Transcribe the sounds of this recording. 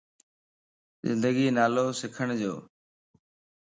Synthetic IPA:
zɪ̰nd̪əɡiːnaːloːsɪkʰəɳd͡ʑoː

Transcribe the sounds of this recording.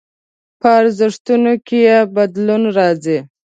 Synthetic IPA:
paaɾzɪʂt̪unokejebad̪lunɾɑzi

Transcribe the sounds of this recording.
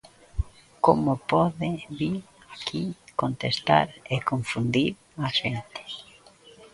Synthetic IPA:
komopɔðɪβiɾ | akʰikont̪est̪a̰ɾekõɱfund̪iɾ | aʃent̪ɪ̥

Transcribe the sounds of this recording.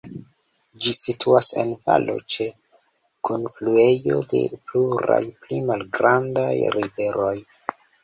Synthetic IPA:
d͡ʒisitʰuasḛnva̰lo̞̰t͡ʃe̞ | kʰonflue̞jo̞̰de̞̰pluɾa̰jplimalɡɾandajɾive̞ɾo̞j

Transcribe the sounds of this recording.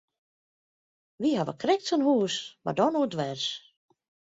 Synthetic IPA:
ʋihaʋə̰krɪk̚tənhuːsma̰dɔnuədʋɛrs

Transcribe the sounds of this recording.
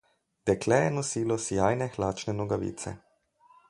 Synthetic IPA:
t̪ɛklɛjɛnɔsiːlɔsijaːjnɛxlaːt͡ʃnɛnɔɡaʋḭːt̪sɛ̰

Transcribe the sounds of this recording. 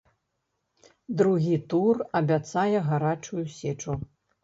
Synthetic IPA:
d̪ɾuɣʲit̪urɐbʲat̪sajɛɣaɾat͡ʂujusʲɛt͡ʂu

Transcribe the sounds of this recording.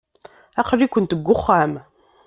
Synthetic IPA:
æqəɾːikʷənt̪əɡʷːʊχːæm

